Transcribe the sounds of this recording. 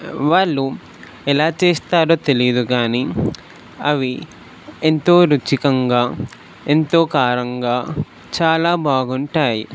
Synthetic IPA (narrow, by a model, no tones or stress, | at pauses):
ʋaːɭːu | ɛlaːt͡ʃeːst̪aːɾo̞ːt̪e̞lijɐd̪ukaːni | ɐʋi | ent̪o̞ːɾut͡ʃikɐŋɡaː | e̞nt̪o̞ːkaːɾɐŋɡaː | t͡ʃaːlaːbʱaːɡuɳʈaːji